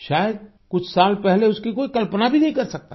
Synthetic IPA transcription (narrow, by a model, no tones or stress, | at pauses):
ʃaːjəd̪̚ | kʊt͡ʃʰsaːlpɛɦleʊskikoːikɐlpənabʱinɐɦĩkɐɾsɐk̚t̪a